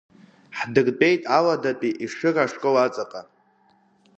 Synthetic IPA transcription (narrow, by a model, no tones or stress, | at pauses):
ħdɨrbʼe̞jtʼaladapʼiʔiʂɨraʂkʼowat͡sʼaqʼa